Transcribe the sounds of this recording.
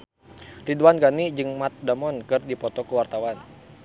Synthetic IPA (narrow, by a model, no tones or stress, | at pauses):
riduwanɡanid͡ʒɨŋmat̪̚damɔnkɨrdipɔt̪ɔkəwart̪awan